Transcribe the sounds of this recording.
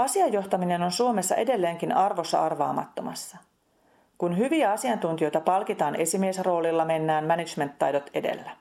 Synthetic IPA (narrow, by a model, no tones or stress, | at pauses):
ɑsiɑjːo̞ht̪ɑmine̞no̞nsuo̞me̞sːɑ̰ʔe̞de̞lːe̞ːŋkinɑrʋo̞sːɑ̰ɑrʋɑ̰ːmɑ̰t̪ːo̞̰mɑ̰sːɑ | kunɦyʋiæɑsiɑnt̪unt̪ijo̞jt̪ɑpɑlkit̪ɑːnʔe̞simiesro̞ːlilːɑme̞nːæːmmænit͡ʃme̞nt̪ːɑjdo̞t̪e̞̰de̞̰lːæ